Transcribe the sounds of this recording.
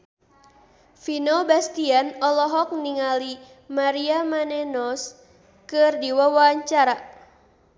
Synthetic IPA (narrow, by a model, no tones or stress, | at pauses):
finobast̪ianɔlɔɦɔk̚niŋali | maɾiamanenɔs | kɨrdiwawaaɲt͡ʃaɾa